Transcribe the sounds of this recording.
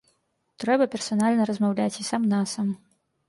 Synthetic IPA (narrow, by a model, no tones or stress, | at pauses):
t̪ɾɛbɐpʲɛrsanalʲnɐɾɐzmawlʲat͡sʲisamnasam